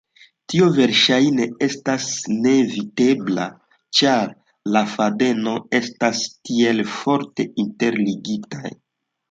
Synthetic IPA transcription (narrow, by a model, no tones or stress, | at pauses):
tiove̞ɾʃajne̞e̞stasne̞vite̞bla̰ | t͡ʃaɾ | lafade̞no̞e̞stastie̞lfo̞ɾte̞inte̞ɾliɡita̰j